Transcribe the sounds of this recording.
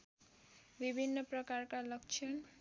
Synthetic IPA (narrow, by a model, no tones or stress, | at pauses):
bibʱinːopɾɔkaɾkalʌkt͡ʃʰɔn